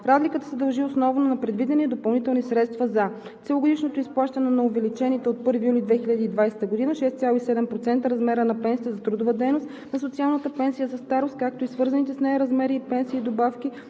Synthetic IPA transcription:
ɾazlikət̪ə̥sɛd̪ɐlˠʒiosnɔvnonɐpɾɛd̪vid̪ɛnid̪opɐlˠnit̪ɛlˠnisɾɛt̪st̪vɐzɐ | t̪sɛloɡod̪iʃnot̪oisplˠaʃt̪ɐnɛnɐovɛlit͡ʃɛnit̪ɛot̪̚pɤɾvijulʲid̪vɛxilʲəd̪iːd̪vajsɛ̥t̪əɡod̪inəʃɛst̪sʲjalˠoisɛd̪ɛmpɾot̪sɛnt̪əɾɐzmɛɾənɐpɛnsiəzɐt̪ɾod̪ovəd̪ɛjnost̪ | nɐsot̪sialˠnət̪əpɛnsijəzɐst̪aɾost̪̚kak̚t̪oisvɤɾzɐnit̪ɛsnɛɾɐzmɛɾiːpɛnsiːd̪obafki

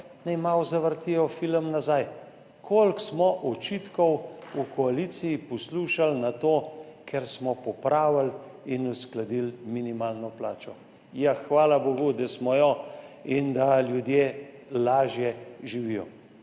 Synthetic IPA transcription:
nɛjmawzaʋəɾt̪ijɔfiləmnazaj | kʰolksmɔʔɔt͡ʃit̪kɔwukʰɔalisijːpɔsluʃalnat̪oːkʰɛɾsmɔpɔpɾaːʋal | inusklad̪ilminimaːlnɔplaːt͡ʃɔ | jaxʋaːlaboːɡud̪asmɔjɔind̪aljud̪jeːlaːʒjɛʒiʋijɔ

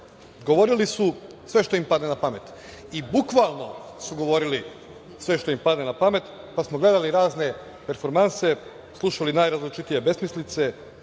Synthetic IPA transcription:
ɡo̞ʋo̞ɾilisusʋe̞ʃt̪o̞impad̪nenapamet̪ | ibukʋalˠno̞suɡo̞ʋo̞ɾili | sʋe̞ʃt̪oimpad̪nenapame̞t̪ | pasmoɡle̞d̪aliɾaːzne̞ | pe̞ɾfo̞ɾmanse̞ | slˠuʃalinajɾazlit͡ʃit̪ije̞be̞smislit̪se̞

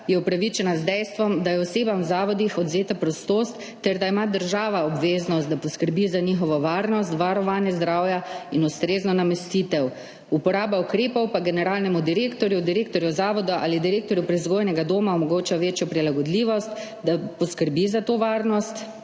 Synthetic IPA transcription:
jɛupɾaʋit͡ʃɛnazd̪ɛjst̪ʋɔmd̪ajɛɔseːbamwzaːʋɔd̪ixɔd̪zeːt̪apɾɔst̪oːst̪ːɛɾd̪aimad̪əɾʒaːʋaɔbʋeːznɔst̪̚d̪apɔskəɾbizanixɔʋɔʋaːɾnɔst̪ʋaɾɔʋaːnjɛzd̪ɾaːwjainust̪ɾeːznɔnamɛst̪it̪ɛw | upɔɾaːbaukɾeːpɔwpaɡɛnɛɾaːlnɛmud̪iɾeːkt̪ɔɾjud̪iɾeːkt̪ɔɾjuzaːʋɔd̪uʔa̰ːlid̪iɾeːk̚t̪ɔɾjupɾɛzɡoːjnɛɡad̪oːmaɔmɔɡoːt͡ʃaʋeːt͡ʃjɔpɾilaɡɔd̪liːʋɔst̪ | d̪apɔskəɾbizat̪oːʋaːɾnɔst̪

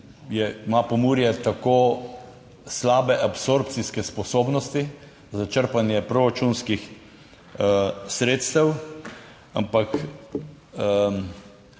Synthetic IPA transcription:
jɛimapɔmuːɾjɛt̪akoː | slaːbɛʔapsoɾp̚t̪siskɛspɔsoːbnɔst̪i | zat͡ʃəɾpanjɛpɾoɾat͡ʃunskix | sɾeːt̪st̪əw | a̰mpak

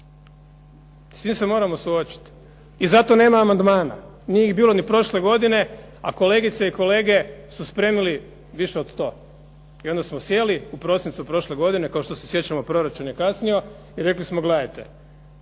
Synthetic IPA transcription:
st̪iːmse̞mo̞ɾamo̞suo̞t͡ɕi̥t̪ | izat̪o̞ne̞ːmaːmand̪maːna̰ | nieixbiːlˠo̞nipɾo̞ʃle̞ɡo̞d̪ine̞ | a̰ko̞le̞ɡit̪seiko̞le̞ːɡe̞suspɾe̞ːmili | ʋiʃe̞o̞d̪st̪o̞ː | io̞nd̪asmo̞sje̞liupɾo̞sint̪supɾo̞ʃle̞ɡo̞d̪ine̞kao̞ʃt̪o̞sesje̞t͡ɕamo̞pɾo̞ɾat͡ʃunjekasnio̞ | iɾe̞klismoɡled̪ajt̪e

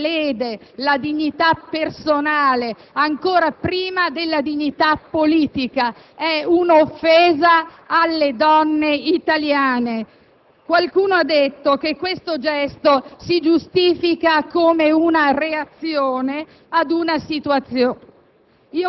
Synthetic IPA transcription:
leːd̪elad̪iɲːit̪apːersonaːle | aŋkoːɾapɾiːmad̪elːad̪iɲːit̪apːoliːt̪ika | ɛunofːeːzaː | alːed̪ɔnːeit̪aljaːne | kwalkuːnoad̪ːet̪ːok̟ekːwest̪od͡ʒɛst̪osid͡ʒust̪iːfikakomeunareat̪sːjoːne | ad̪unasit̪uat̪sjoː | i

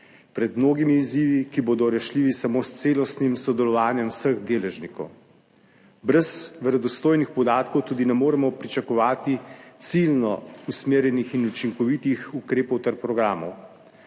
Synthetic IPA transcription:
pɾɛd̪mnoːɡimiːziʋikiboːd̪ɔɾɛʃliːʋisamoːst̪seːlɔst̪nimsɔd̪ɛlɔʋaːnjɛmsəɣd̪eːlɛʒnikɔ̰w | bɾɛzʋɛɾɛd̪ɔst̪oːjnixpɔd̪aːt̪kɔwt̪uːd̪inɛmoːɾɛmɔpɾit͡ʃakɔʋaːt̪it̪silnɔusmeːɾjɛnixinut͡ʃiŋkɔʋit̪ixukɾeːpɔwt̪ɛɾpɾɔɡɾaːmɔ̰w

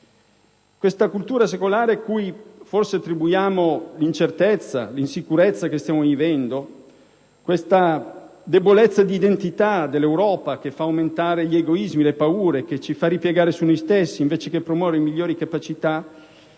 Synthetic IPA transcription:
kwest̪akult̪uːɾas̬ekolaːɾeakujforseat̪ːɾibujaːmolint͡ʃert̪et̪sːa̰linsikuɾet̪sːakest̪jaːmovivɛnd̪o | kwest̪ad̪ebolet̪sːad̪iːd̪ent̪it̪ad̪elːewɾɔːpak̟efːaːwment̪aːɾeʎieɡoizmilepauːɾek̟et͡ʃifaripjeɡaːɾesunɔjst̪esːiːɱveːt͡ʃekepːɾomwɔːveɾemiʎːoːɾikapat͡ʃit̪a

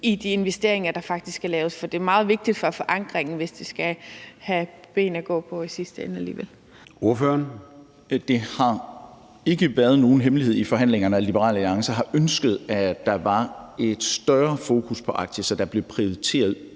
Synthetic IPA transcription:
id̥ie̝nʋesd̥e̝ɐ̰eŋɐd̥ɑ̈fɑ̈ɡ̥̚d̥isɡælɛːʊsfɒ̽d̥e̝æɐmɑ̈ːð̞̩ˠʋe̝ɡ̥̚d̥id̥fɒ̽fɒ̽ʔɑ̈ŋɡ̥ʁeŋn̩ʋe̝sd̥isɡ̥æhæb̥e̝̰ːnæɡ̥ɔ̰̽ːpʰɒ̽isisd̥əenəælḭːʋel̰ | o̝ɐføɐn | d̥e̝hɑ̈ | e̝ɡ̥əʋæɐð̞̩ˠno̝ːn̩ɦemlihe̝ð̰ˠifɒ̽ɦæn̰leŋɐnəælib̥əʁɑ̰̈ːlæliɑ̈ŋsɐɦɑ̈ʔønsɡ̥əð̞̩ˠæd̥ɑ̈ʋɑ̈e̝d̥sd̥ɶɐfo̝ːkʰuspʰɒ̽ʔɑ̈ɡ̥d̥əsɒ̽d̥ɑ̈b̥le̝pʰʁioit͡sʰe̝̰ːɐð̞ˠ

